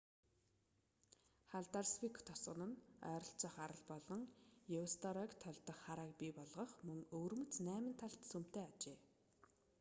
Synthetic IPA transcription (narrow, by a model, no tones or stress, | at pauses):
χaɮt̪arswikʰt̪ʰɔsɢə̆nə̆nœ̰ːɾɞ̆ɬt͡sə̆χaɾə̆ɮpɔɮɞ̆ŋjewst̪ɔɾakt̪ʰɔɮt̪ɞ̆χːaɾaːk̚pʲipɔɮʁɞ̆χmɵŋɵːrmɵ̆t͡snæːmə̆nt̪ʰaɬt̪sɵm̥t̪eːat͡ɕeː